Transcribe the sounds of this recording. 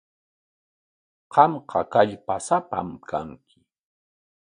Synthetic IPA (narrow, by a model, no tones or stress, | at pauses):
qɑmqʰɑkaʎpasapa̰mkʰaŋkʰɪ̥